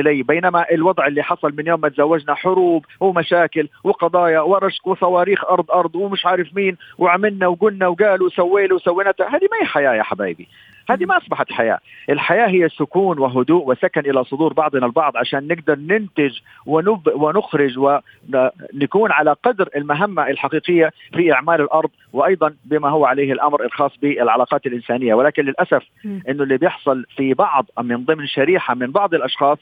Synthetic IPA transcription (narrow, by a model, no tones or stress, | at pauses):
ʔɪlaːbeːnamaʔɪlwɑd̪ˤʕɪlːiħɑsˤɑlmɪnjoːmːat̪zawːad͡ʒnaħʊɾuːb | wɪmaʃaːkɪlwɪqɑd̪ˤɑːjɑwɪɾˤɑʃkwɪsˤɑwɑːɾiːxʔɑɾˤd̪ˤʔɑɾˤd̪ˤwmɪʃʕaːɾɪfmiːnwɪʕamɪlnawɡʊnːawɡaːluwsawːeːluwsawːɪnat̪ahaːd̪imaiħajaːja̰ːħaba̰ːbḭ | haːd̪imaʔɑsˤbɑħat̪ħaja̰ːʔɪlħajaːɦɪjːasʊkuːnwɪɦʊd̪uːʔwɪsakanʔɪlasˤʊd̪uːɾbɑʕd̪ˤnalbɑʕd̪ˤʕaʃaːnːɪɡd̪ɑɾˤnɪnt̪ɪd͡ʒ | wɪnʊbwɪnʊxɾɪd͡ʒwɪ | nakuːnʕalaqɑd̪ɾɪlmaɦamːaʔɪlħaqiːqɪjːafiʔɪʕmaːlɪlʔɑɾˤd̪ˤwɪʔɑjd̪ˤɑnbɪmaɦʊwːaʕaleːhɪlʔamɾɪlxɑːsˤbɪɪlʕalaːqɑːt̪ɪlʔɪnsaːnɪjːawɪlaːkɪnlɪlʔasaf | ʔɪnːʊlːiːbjɪħsˤʊlfibɑʕðˤmɪnðˤɨmnʃaɾiːħamɪnbɑʕd̪ˤɪlʔɑʃxɑːsˤ